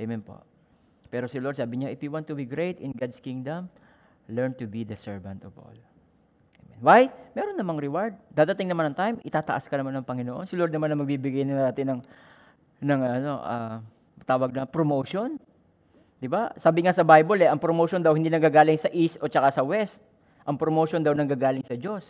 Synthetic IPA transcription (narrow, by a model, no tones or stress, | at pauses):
ʔɛjmɛnpo̰ | pɛːɾo̞sɪloɹd̪̚saːbɪɲaʔɪfjʊwant̪ːʊbiɡɹejt̪ɪnɡad̪skiŋd̪ɐm | lɛɹnt̪ʊbid̪ɐsɛɹvɐnt̪ɔvo̰l | ʔɛmɛnwajmɛːɾo̞nːɐmɐŋɾɪwaɹd̪̚d̪aːd̪ɐt̪ɪŋnɐmanɐŋt̪ajmʔɪt̪aːt̪ɐʔaskɐnɐmanɐŋpɐŋɪnoʔo̞nsɪloɾd̪nɐmanɐmɐɡ̚bibɪɡajnɐd̪aːt̪ɪnɐŋ | nɐŋɐɐno̞ʔa̰ | t̪aːwɐɡ̚nɐpɾomowʃon | d̪ɪbasaːbɪŋasɐbajbolɛʔɐŋpɾomowʃond̪ɐwhɪnd̪iːnɐɡaːɡaːlɪŋsɐʔist̪ʔo̞t͡ʃɐkasɐwɛst̪̚ | ʔɐŋpɾomowʃond̪ɐwnɐɡaːɡaːlɪŋsɐd͡ʒo̞s